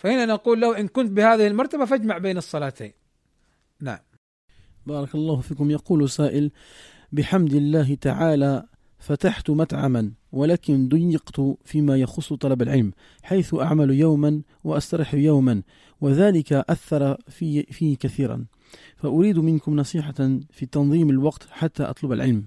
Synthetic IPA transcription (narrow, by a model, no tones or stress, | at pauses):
fahɪnːanɑquːlːahʔɪnkʊnt̪̚bɪhaːðɪhɪlmɑɾˤt̪abafad͡ʒmaʕbeːnɨsˤːɑlaːt̪ḛː | na̰ʕam | bɑːɾˤɑkɑlˤːɑːhʊfiːkʊmjɑquːlsaːʔɪl | bɪħamd̪ɪlːaːɦɪt̪aʕaːla | fat̪aħt̪ʊmat̪ʕamanwalaːkɪnd̪ʊjːɪqt̪ʊfiːmajɑxʊsˤːt̪ˤɑlɑbalʕɪlm | ħajθʊʔa̰ʕmaljawman | waʔast̪ɑɾˤɪħjawman | waðæːlɪkaʔaθːɑɾˤɑfiːkaθiːɾɑ̰n | faʔʊɾiːd̪mɪnkʊmnɑsˤiːħɑfit̪ɑnðˤiːmalwɑqt̪ħat̪ːaːʔɑ̰t̪ˤlʊbalʕɪlm